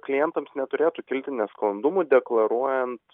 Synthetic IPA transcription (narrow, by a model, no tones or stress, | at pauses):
klʲɪjɛnt̪ɐmsnʲɛt̪ʊɾʲeːt̪uːkʲɪlʲt̪ʲɪnʲɛsklˠɐnd̪ʊmʊd̪ʲɛklˠɐɾuɔjɛnt̪